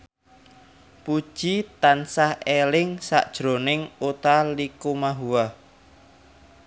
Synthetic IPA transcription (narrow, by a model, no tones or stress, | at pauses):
pud̥ʒ̥it̪ansahelɪŋsa̰ʔd̥ʒ̥ɾo̤nɪŋut̪alikumaɦua